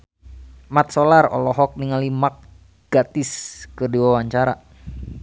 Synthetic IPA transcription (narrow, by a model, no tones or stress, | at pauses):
mat̪̚solarɔ̰lɔɦɔk̚niŋalimak̚ | ɡ̥at̪iskɨrdiwawaɲt͡ʃaɾa̰